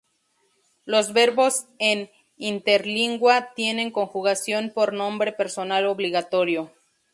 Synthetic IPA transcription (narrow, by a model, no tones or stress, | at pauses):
lo̞zβe̞ɾβo̞se̞n | int̪e̞ɾliŋɡwat̪je̞nẽ̞ŋko̞ŋxuɣasjo̞npo̞ɾnõ̞mbɾe̞pe̞ɾso̞naloβliɣat̪o̞ɾjo̞